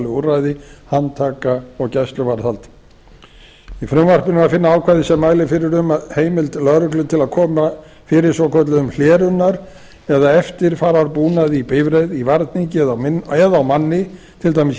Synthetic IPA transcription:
lɪurajðɪhant̪ʰaːkaɔɣcajst̪lʏvaɾθalt̪ | ifɾʏmvar̥pɪnɪvaðfɪnːaaːwkʰajðɪsɛmːaːjlɪfɪɾɪɾʏmaðheːjmɪlt̪lœɣɾʏklʏt̪ʰɪlaðkʰɔːma | fɪːɾɪɾ̥sɔkʰœt̪lʏðʏml̥ɛːɾʏnːaɾ | ɛðaɛft̪ɪɾ̥faːɾavaɾpuːnaðipeːjvɾejðivaɾt̪niŋcɪɛðaɛðaawmanːɪ | t̪ʰɪlt̪ajmɪs

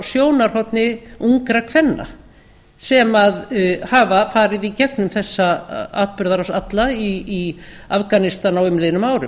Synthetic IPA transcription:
sjoːwnaɾ̥hɔt̪nɪuŋkɾakʰvɛnːa̰ | sɛmaðhaːvafaːɾɪðicɛknʏmθɛsːaa̰ːt̪̚pʏɾðaɾasat̪laiː | afkanɪst̪anawɪmlenʏmaːwɾʏm

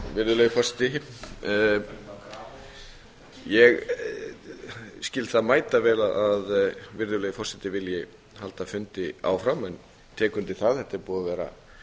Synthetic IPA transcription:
vɪɾðʏlœːjɪfɔrsɪ̥t̪ɪ | jɛɣ | scɪlt̪θaðmaːjt̪avɛːlaðaðvɪɾðʏlœːjɪfɔrsɪt̪ɪvɪljɪ | halt̪afʏnt̪ɪa̰ːwfɾamɛn | t̪ʰɛːkʏnt̪ɪθaðhɛht̪ɪɾpuːðavɛːɾa̰

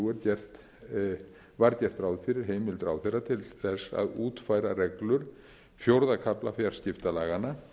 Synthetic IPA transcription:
uɛɾcɛr̥t̪ | vaɾcɛr̥t̪ɾaːwðfɪɾɪɾ̥ɦeːjmɪlt̪ɾaːwðθejrat̪ʰɪlθɛsːa̰ðuːt̪faːjɾarɛklʏɾ̥ | fjowɾðakʰaplafjaɾ̥scɪft̪alaːɣana

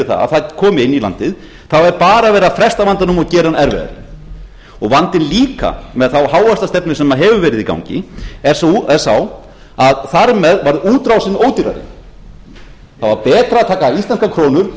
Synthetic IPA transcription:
ɪθa̰a̰θakʰɔːmɪɪnːila̰nt̪ɪð | θawɛɾpaːɾavɛːɾafɾɛst̪avant̪anʏmɔɣcɛːɾanɛɾvɛ̰ɣða̰ɾɪ | ɔɣvant̪ɪnliːka̰mɛðθawɦaːwast̪ast̪ɛpnɪ̥sɛmːaɦɛvʏvɛːɾɪðika̰wŋɲcɪ̰ɛɾ̥sɛɾ̥saw | aðθaɾmɛðvajɾðuːt̪ɾawsɪnːoːwt̪iɾa̰ɾɪ̰n | θawvaɾpɛːt̪ɾaðt̪ʰaːkaist̪anskakʰɾoːnʏɾ̥

